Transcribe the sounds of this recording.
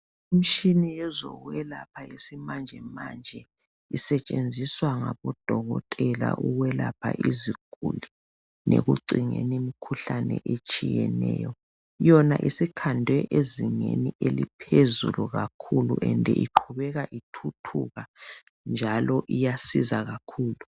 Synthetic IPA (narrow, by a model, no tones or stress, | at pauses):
im̩ʃinijɛzɔɣwɛlapʰaesimand͡ʒʱɛmand͡ʒʱɛ | isɛt͡ʃʼend͡zʱiswaŋaβɔd̥ʱɔɣɔtʼɛla̰ʔuɣwɛlapʰaʔiziɡ̥ʱuli | nʔeɣuǀiŋenimikʰuɬanɛ̰ʔet͡ʃʼijɛnɛːjɔ | jɔnaʔisikʰandʱwɛʔeziŋeniʔelipʰezuluɣakʰulṵʔɛndʱɛʔiǃʰuβɛɣaʔitʰutʰuɣa | nd͡ʒʱalɔʔijasizaɣakʰuːlu